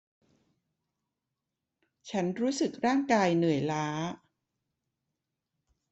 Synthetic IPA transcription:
t͡ɕʰa˦˥nɾuː˦˥sɯ˨˩k̚ɾaː˥˩ŋkaː˧jnɯ˨˩əjlaː˦˥

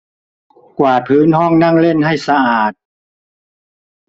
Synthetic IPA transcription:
kwaː˨˩p̪ʰɯː˨˦˥nhɔ˥˩ŋna˥˩ŋle˥˩nɦa˥˩jsa˧ʔaː˨˩t̪̚

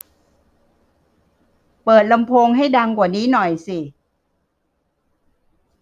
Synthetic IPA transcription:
pɤː˨˩t̪̚la˧mpʰoː˧ŋɦa˥˩jda˧ŋkwaː˨˩niː˦˥nɔ˨˩jsi˨˩

